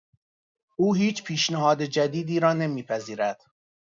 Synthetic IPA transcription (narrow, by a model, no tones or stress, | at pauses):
ʔuːɦiːt͡ʃʰpʰiːʃnæɦɒːd̪ed͡ʒæd̪iːd̪iːɾɒːnemiːpʰæziːɾæd̪̥